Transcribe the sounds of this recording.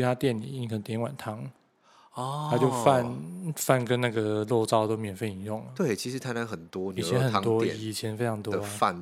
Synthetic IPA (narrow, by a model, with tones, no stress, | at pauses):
t̪ʰa˥t̪jɛ˥˩nlḭ˨˩˥ni˧kʰə˧˩n˧˩t̪jɛ˧˥nŋwa̰˨˩nt̪ʰɑ˧˥ŋ | ɔ˧tʰa˥t͡ɕjo˥˧ʊfa˥˨nfa˥˩nkə˦nna˥˩ɡə˩lo˥˩ʊt͡sɑ˥˧ʊt̪o˥ʊmjɛ˨˩nfe˥˩ɪi˨˩njʊ˥˩ŋə˦t̪we˥˩ɪt͡ɕʰi˧˥ʂɻ̩˧t̪ʰa˧˥ɪna˧˦nxə˨˩nt̪wɔ˥ni˨˩˨t͡ɕjɛ˧˦nxə˨˩˧t̪wɔ˥˨i˧˨˩t͡ɕʰjɛ˧˥nfe˥ɪʈ͡ʂʰɑ˧˥ŋt̪wɔə˧˥˦fa̰˥˨n